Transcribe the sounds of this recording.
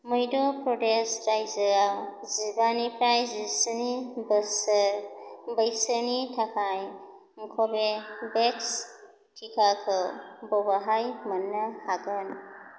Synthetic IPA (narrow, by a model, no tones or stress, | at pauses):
mɯjdɔpɾɔdesɾajzɯɾa | zibanipɾajzisənibəsəɾbəjsənitʰakʰaj | ŋ̩kʰɔbebeks | tʰikʰakʰɯbɔbaɦajmɐnːəhaɡɯn